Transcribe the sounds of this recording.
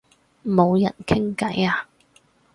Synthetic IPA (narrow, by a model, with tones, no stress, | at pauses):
mo˨˧wjɐ˨˩nkʰɪ˥ŋkɐ˨˥jaː˨˧